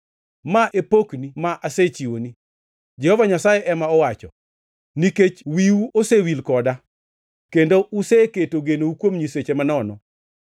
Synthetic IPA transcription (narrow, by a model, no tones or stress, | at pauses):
maʔepoknimaʔaset͡ʃiwoni | d͡ʒɛhɔvaɲasajɛʔɛmaɔwat͡ʃɔ | niket͡ʃwiuosewilkɔda | kendoʔuseketoɡenoukwomɲiset͡ʃemanɔnɔ̰